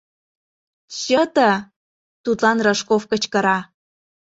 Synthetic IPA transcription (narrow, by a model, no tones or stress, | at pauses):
ɕət̪ə | t̪ut̪lɑnrəʃkofkə̆t͡ɕkɤ̆ɾɑ